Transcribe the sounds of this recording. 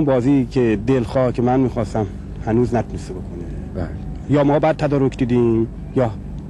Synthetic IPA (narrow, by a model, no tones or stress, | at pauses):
nbɒːziːcʰed̪elxɒːhcʰemænmiːxɒːst̪æm | hænuːznæt̪ʰunest̪ebokʰonebl | jɒːmɒːbæd̪̚t̪ʰæd̪ɒːɾocʰd̪iːd̪iːm | jɒː